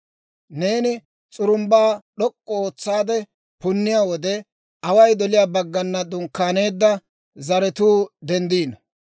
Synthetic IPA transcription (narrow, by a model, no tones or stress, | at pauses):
ne̞ːnɪ | t͡sʼʊɾʊmbaːɗɔkʼːɔoːt͡sːaːd̪ɛ | pʊnːɪjaːwɔd̪ɛ | ʔɐwɐjd̪ɔlɪjaːbɐɡːɐnːɐd̪ʊŋkːaːne̞ːd̪ːɐ | zɐɾɛt̪uːd̪ɛnd̪iːnɔ